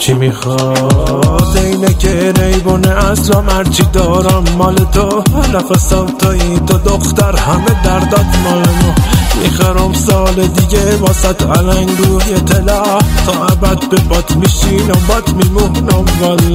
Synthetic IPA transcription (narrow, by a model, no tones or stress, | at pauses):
t͡ʃʰimixɔ | t̪ejnekeɾejbɔneæslɑmhæɾt͡ʃʰid̪ɒːɾæmːɒːlet̪ʰo | næfæsamt̪ʰoint̪od̪oxt̪æɾhæmed̪æɾd̪ɒd̪mɒlemomḭxæɾomsɒːled̪iɟevɒːsæt̪ælæŋɾuːhjet̪ʰelɒːt̪ʰɒʔæbæd̪̚bebɒt̪miʃinɔmbɒd̪mimunambɒl